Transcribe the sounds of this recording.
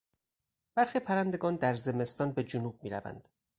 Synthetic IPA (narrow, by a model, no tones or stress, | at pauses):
b̥æɾχiːpʰæɾænd̪e̞ɡɒːnd̪æɾze̞me̞st̪ɒːnbe̞d͡ʒunuːb̚miːɾæ̰væ̰nd̪̥